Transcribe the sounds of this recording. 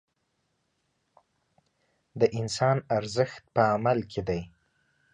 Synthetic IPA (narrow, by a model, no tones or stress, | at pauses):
d̪əʔɪnsɑnaɾzəxt̪̚pəamalkʰed̪aj